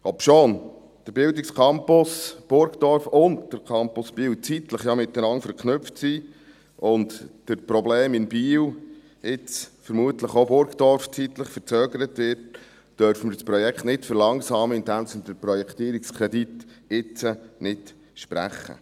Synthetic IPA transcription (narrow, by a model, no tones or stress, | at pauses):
ɔpʃoːn | d̥əɾbɪwdɪkskʰɑmpʊsb̥ʊɾɡd̥̪ɔɾfʊntd̥əɾkʰɑmpʊsb̥iːwt͡sit̪ləχjɑmɪt̪dənɑŋfəɾkχnʏftsiː | ʔʊntd̥əɾpɾɔbleːmɪnbiːw | ɪt͡sfəɾmuət̪ləχobʊɾɡd̥̪ɔɾft͡sit̪ləχfəɾt͡søːɡəɾətʋɪrt | d̥œɾfəməɾspɾɔjɛkχt̪nɪtfəɾlɑŋsɑːməɪntænsənd̥̪əɾpɾɔjɛkt̪iːəɾikskʰɾɛdit̪ɪt͡sənɪt | ʃpɾæ̰χːə̰